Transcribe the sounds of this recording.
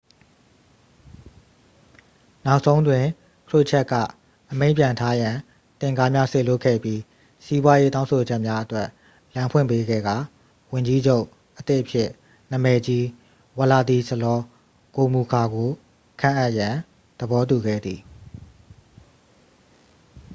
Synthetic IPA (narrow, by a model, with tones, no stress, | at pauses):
na˦ʊʔsʰõ˦ʊ̃ndwɪ̃˨ | kʰlʊ˦ʔt͡ɕʰɛ˦ʔkːä̰˦˨ | ʔəmẽ˦ɪ̃pjã˨ntʰa˦jã˨ | t̪ɪ̃˨ŋɡa˦mja˦se˦˨lʊ˦˨kʰːɛ̰˦˨pji˦ | si˦bwa˦je˦tã˦ʊ̃sʰo˨d͡ʑɛ˦ʔmja˦ʔətwɛ˦ʔ | lã˨mpʰwɪ̰̃˦˨pe˦ɡɛ̰˦˨ɡa˨ | wʊ̃˨ɲd͡ʑi˦d͡ʑo˦ʊʔ | ʔət̪ɪ˦ʔəpʰjɪ˦˨ʔ | nə˨mɛ˨d͡ʑi˦ | wə˨la˨d̪i˨sə˨lɔ˦ | ko˨mu˨kʰa˨ɡo˨ | kʰã̰˦˨ʔa˦ʔjã˨ | d̪̥əbɔ˦t̬u˨ɡɛ̰˦˨d̪ði˨